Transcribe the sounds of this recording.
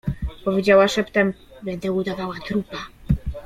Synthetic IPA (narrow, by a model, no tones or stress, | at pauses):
pɔvʲjed͡ʑawaʂɛpt̪ɛmbɛnd̪ɛud̪avawat̪ɾupa